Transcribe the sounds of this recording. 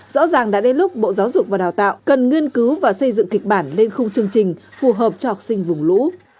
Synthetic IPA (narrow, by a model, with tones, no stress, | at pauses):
z̥ɔ̰˧˥zaː˨˩ŋɗa̰ː˧˥ɗe˧nlʊ˦˥k͡p̚ɓo̰˧˨zaː˨˦wzʊ˨˩k͡p̚vaː˨˩ɗaː˨˩wt̪a̰ː˧˨wkə˨˩nŋi˧ənkɨ˨˦wvaː˨˩sə˧jzɨ̰˧˨ŋki˨˩k̟̚ɓaː˧˩nle˧nxʊ˧ŋ͡mt͡ɕɨ˧əŋt͡ɕï˨˩ŋ̟fu˨˩ɦəː˨˩p̚t͡ɕɔ˧ha˨˩sï˧ŋ̟vʊ˨˩ŋ͡mlṵ˧˥